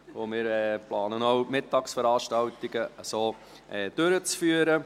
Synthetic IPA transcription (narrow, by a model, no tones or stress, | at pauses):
omɪːɾɛplɑːnənɔwmɪtːɑːksfəɾɑːʃtɑwt̪ɪɡəəsoː | ʔɛːd̥øɾət͡sfyːəɾə